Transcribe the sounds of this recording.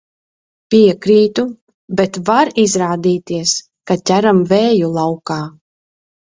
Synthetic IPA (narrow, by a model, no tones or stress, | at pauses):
piɛkɾiːt̪u | bet̪vaɾizɾaːd̪iːt̪iɛs | kat̪ʲæɾamvɛːjulˠawkaː